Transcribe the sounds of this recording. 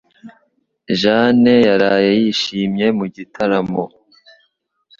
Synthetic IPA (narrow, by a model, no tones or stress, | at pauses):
ʒane̞jaɾajejiʃiːmɲe̞muɟitʰaɾamo